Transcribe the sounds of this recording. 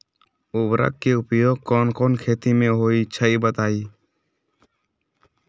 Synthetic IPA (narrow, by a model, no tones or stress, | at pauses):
ʊbɾə̰kkeʊpjoːɡ̚kɔːnkɔːnkʰeːt̪imẽɦoːit͡ʃʰəibət̪aːiː